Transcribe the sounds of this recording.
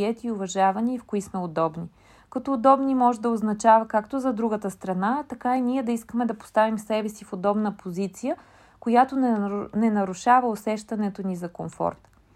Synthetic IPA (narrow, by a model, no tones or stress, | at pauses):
ɛt̪iʊvɐʒavɐniifkoismɛod̪ɔbni | kɐt̪ɔːd̪ɔbnimɔʒɛd̪ɐoznɐt͡ʃavɐkakt̪ozɐd̪ɾuɡət̪əst̪ɾɐnat̪ɐkainiɛd̪ɐiskəmɛd̪ɐpo̥st̪avimsɛbɛsifod̪ɔbnəpʰozit̪sijə | kojat̪onɛnɐɾuʃavəosɛʃt̪ɐnɛt̪onizɐkomfɔ̰ɾt̪